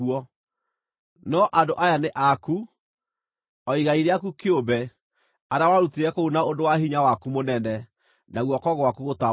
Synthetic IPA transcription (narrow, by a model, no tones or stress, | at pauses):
ɔ | nɔʔadoʔajaneʔaku | ɔiɣaiɾɛakukeobɛ | aɾawaɾutiɾɛkounaodowaɦiɲawakumonɛnɛ | naɣwɔkɔɣwakuɣota